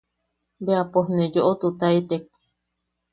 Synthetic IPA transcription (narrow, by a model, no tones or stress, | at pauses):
beapohnejoʔot̪ut̪ait̪ek̚